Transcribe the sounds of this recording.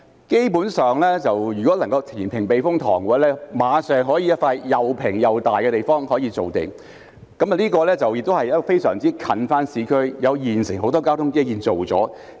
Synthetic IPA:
ke˥jpuː˨˥nsœː˨ŋlɛː˥t͡sɐ˨wjyː˨˩kɔː˨˥lɐ˨˩ŋkɐ˧wt̪ʰiː˨˩npʰɪ˨˩ŋpe˨jfʊ˥ŋt̪ʰɔ̰ː˨˩ŋkɔː˧lɛː˥maː˨˧sœː˨ŋɦɔː˨˥jiː˧˥jɐ˥t̚faː˧jjɐ˨˩wpʰɪ˨˩ŋjɐ˨wt̪aː˨jkɛ˧t̪e˨jfɔː˥ŋhɔː˨˥jiː˧t͡so˨wt̪ḛ˨˩ŋ | kɐ˨˥m˨˧liː˥kɔː˧lɛː˥t͡sɐ˨wjɪ˨k̚t̪o˥hɐ˨jɐ˥kfe˥jsœː˨˩ŋt͡siː˥kʰɐ˨˧nfaː˥nsiː˨˧˥kʰɵ˥ɥjɐ˨˧wjiː˨nsɪ˨˩ŋɦo˨˥wt̪ɔː˥kaː˥wt̪ʰʊ˥ŋkeː˥jiː˧nt͡so˨wt͡sɔ̰ː˨˥

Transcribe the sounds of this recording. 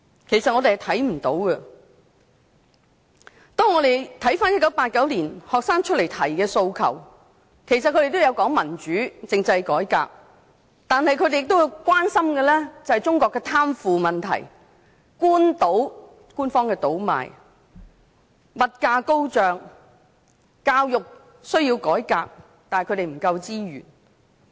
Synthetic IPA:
kʰe˨˩jsɐt̚ɔ˨˧t̪e˨hjt̪ʰɐ˨˥jm̩˨˩t̪o̰˨˥wkɐ˧ | t̪ɔː˥ŋɔː˧ɾe˨jt̪ʰɐ˨˥jfaː˥njɐ˥t̚kːɐ˨˥wpaː˧t̚kɐ˨˥wliː˨˩nhɔː˨k̚saː˥ŋt͡ʃʰt̚le˨˩jt̪ʰɐ˨˩jkɛː˧so˧wkʰɐ̰˨˩w | kʰe˨˩jsɐ˨t̚kɵ˧˥ɾe˨jt̪o˥jɐ˨˧wkɔː˨˥ŋmɐ˨˩nt͡ʃyː˨˥t͡sɪ˧ŋt͡sɐ˧jkɔː˨˥jka̰ː˧k̚ | t̪aː˨nhɐ˨jkʰɵ˧˥d̪e˨jɪ˨k̚t̪o˥wwkʷwaː˥nsɐ˥mɡɛː˧lɛː˥t͡sɐ˨˧hɐ˨jt͡ʃʊ˥ŋkɔː˧kːɛː˧t̪ʰaː˥mfuː˨mɐ˨nt̪ʰɐ̰˨˩j | kuː˥nt̪o˨˥w | kuː˥nfɔː˥ŋkɛː˧t̪o˨˥wma̰ː˨j | mɐ˨t̚kaː˧ko˥wt͡ʃœː˨ŋ | kaː˧wjʊ˨k̚ | sɵ˥ɥjiː˧wkɔː˨˥jkaː˧k̚ | t̪aː˨hjkʰɵ˨˧ɾe˨jm̩˨˩kɐ˧wt͡siː˥ɥy̰ː˨˩n

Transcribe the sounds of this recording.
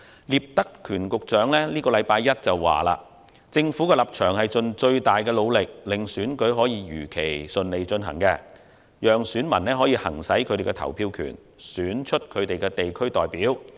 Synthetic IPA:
liː˨˩p̚t̪ɐ˥kʰːyː˨˩nkʊ˨k̚t͡ʃœː˨˥ŋlɛː˥liː˥kɔː˧lɐ˨˧jpaː˧jjɐ˥t̚t͡sɐ˨wːa̰ː˨la̰ː˧ | t͡sɪ˧ŋfuː˨˥kɛː˧lɐ˨˩p̚t͡ʃʰœː˨˩ŋhɐ˨jt͡sɵ˧nt͡ʃɵ˧ɥt̪aː˨jkɛː˧lo˨˧wlɪ˨k̚lɪ˨ŋsyː˨˥nkɵ˨˥ɥɦɔː˨˥jiː˧jyː˨˩kʰe˨˩jsɵ˧nle˨˧jt͡ʃɵ˧nɦɐ˨˩ŋkɛː˧ | jœː˨ŋsyː˨˥nmɐ˨˩nɛː˥ɦɔː˨˥jiː˧hɐ̰˨˩ŋsɐ˨˥jkʰɵ˨˧t̪e˨˩kɛ˧t̪ʰɐ̰˨˩wpʰiː˧wkʰy̰ː˨˩n | syː˨˥nt͡ʃʰɵ˥t̚kʰɵ˨˧ɥt̪e˨jkɛː˧t̪e˨jkʰɵ˥ɥt̪ɔː˨jpiː˨˥w

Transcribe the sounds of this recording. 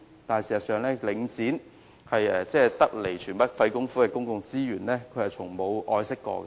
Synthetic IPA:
t̪aː˨n˨siː˨˩sɐ˨t̚sœː˨ŋlɛː˥lɪ˨˧ŋt͡siː˨˥n | hɐ˨jɛː˧t͡sɛː˥˧t̪ɐ˥k̚le˨˩jt͡ʃʰyː˨˩npɐ˥t̚fɐ˧jkʊ˥ŋfuː˥kɛː˧kʊ˥ŋkʊ˧ŋt͡siː˥jyː˨˩nlɛː˥kʰɵ˨˧hɐ˨jt͡sʰʊ˨˩ŋmo˨˧wʔɔː˧jsɪ˥kːɔ̰ː˧kɛ̰˧

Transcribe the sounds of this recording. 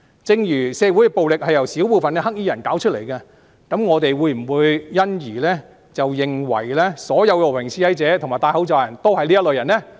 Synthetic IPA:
t͡sɪ˧ŋjyː˨˩sɛː˨˧wu˨˥jkɛ˧po˨wlɪ˨k̚hɐ˨jɐ˨˩wsi˨˥wpuː˨˧fɐ˨nkɛ˧ɦɐ˥k̚jiː˥jɐ˨˩nkaː˨˥wt͡ʃʰɵ˥le˨˩jkɐ˧ | kɐ˨˥mŋɔː˨˧t̪e˨jwuː˨˧jm̩˨˩wuː˨˧jːɐ˥njiː˨˩lɛː˥ | t͡sɐ˨wjɪ˨ŋwɐ̰˨˩jlɛː˥sɔː˨˥jɐ˨˧wkɛː˧o˨˩pʰɪ˨˩ŋsʰiː˧ɐ˨˥jt͡sɛː˨˥t̪ʰmaː˨jt̪aː˧jho˨˥wt͡sɔː˨˧jɐ˨˩nt̪o˥whɐ˨jliː˥jɐ˥t̚lɵ˨˧jɐ˨˩nɛ˥

